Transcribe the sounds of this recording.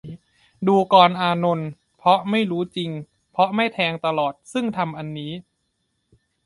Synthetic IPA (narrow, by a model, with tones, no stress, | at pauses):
duː˧kɔː˧nʔaː˧no˧n | pʰɔ˦˥ma˥˩jɾuː˦˥t͡ɕi˧ŋ | pʰɾɔ˦˥ma˥˩jt̪ʰɛː˧ŋt̪a˧lɔː˨˩t̪̚sɯ˥˩ŋt̪ʰa˧mʔa˧nːiː˦˥